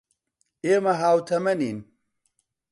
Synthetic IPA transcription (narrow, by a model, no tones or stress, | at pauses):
eːmɐɦaːwt̪ʰɐmɐniːn